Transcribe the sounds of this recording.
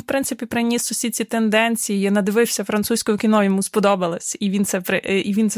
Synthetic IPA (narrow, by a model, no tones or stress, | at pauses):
wpɾɪntsɪpʲipɾɪnʲisɔsʲit͡sʲit̪end̪ɛnʲt͡sʲijijnɐd̪ɪʋɪwsʲɐfɾɐnt̪susʲkɔɦɔkʲinɔjɔmuspɔd̪ɔbɐlˠɐsʲiʋʲint̪sɛpɪʔiʋʲint̪s